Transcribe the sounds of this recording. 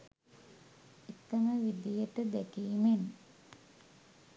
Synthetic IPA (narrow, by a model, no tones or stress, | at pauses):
it̪ːɐməʋid̪ijəʈəd̪ækiːmen